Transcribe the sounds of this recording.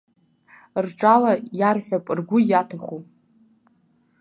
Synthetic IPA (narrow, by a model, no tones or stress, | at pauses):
rʈ͡ʂʼalajarħʷᶣapʼrɡʷʊjatʰaχu